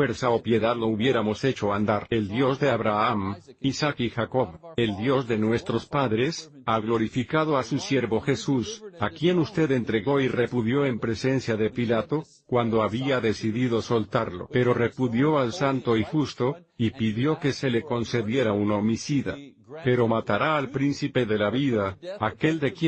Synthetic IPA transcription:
fwe̞ɾsaopje̞ðaðlouβje̞ɾamo̞se̞t͡ʃo̞and̪aɾe̞ld̪jo̞zðeaβɾaamisakixako̞βe̞ld̪jo̞zðe̞nwe̞st̪ɾo̞spaðɾe̞s | aɣlo̞ɾifikaðoasusje̞ɾβo̞xe̞susakje̞nust̪e̞ðe̞nt̪ɾe̞ɣo̞ire̞puðjo̞e̞mpɾe̞se̞nsjaðe̞pilat̪o̞ | kwand̪o̞aβiaðe̞siðiðo̞so̞lt̪aɾlo̰pe̞ɾo̞re̞puðjo̞alsant̪o̞ixust̪o̞ | ipiðjo̞ke̞se̞le̞ko̞nse̞ðje̞ɾaunaomisiða̰ | pe̞ɾo̞mat̪aɾaːlpɾinsipe̞ðe̞laβiðaːke̞ld̪e̞kje

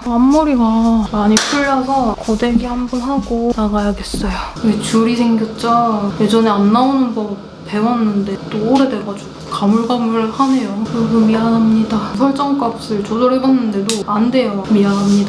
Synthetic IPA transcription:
amːuɾiɡamaɲipʰuɭːʌsʰʌkode̞ɡihanbunɦaɡonaɡajaɡe̞s͈ʌjoet͡ɕuɾisʰeŋɡjot͡ɕ͈aje̞d͡ʑʌne̞anːaonɯnbʌ | pe̞wʌnːɯnde̞t͈oːɾe̞de̞ɡat͡ɕom | kamuɭɡamuɾɭɯɭhane̞jokɯɡɯmianɦamɲidas̬ʰʌɭt͡ɕ͈ʌŋk͈aps͈ɯɭt͡ɕod͡ʑʌɾebanːɯnde̞doande̞jʌmianɦamɲida

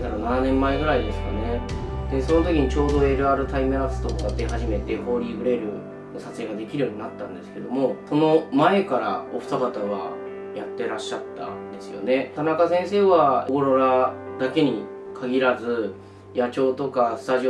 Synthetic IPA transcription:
k̪aɾanananẽ̞mːae̞ɡɯ̟ɾaid̪e̞sɨ̥kane̞d̪̥e̞so̞no̞t̪o̞kʲiɲ̟it͡ɕo̞ːd̪o̞e̞ɾɯ̟aɾɯ̟t̪aimɯɾasɨ̥t̪okoat̪ːehaʑime̞t̪e̞ho̞ːɾʲiːbɯ̟ɾe̞ɾɯ | nosat͡sɨeɡad̪e̞kʲiɾɯ̟jo̞ːɲ̟inat̪ːãnd̪e̞sɨ̥ke̞d̪o̞mo̞so̞no̞mae̞kaɾa̰oɸɯ̟̥t̪aɡat̪aβ̞a | jat̪ːe̞ɾaɕːat̪ːa̰nd̪e̞sɨjo̞̰ne̞t̪anakasẽ̞ɰ̃se̞ːβaoɾoɾad̪̥ake̞ɲ̟i | kʰaɡʲiɾazɨ | jat͡ɕo̞ːt̪o̞kasɨ̥t̪aʑio

